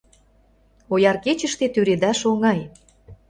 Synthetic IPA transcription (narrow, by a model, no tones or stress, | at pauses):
ojɑrket͡ɕə̆ʃt̪et̪yɾed̪æʃoŋɑj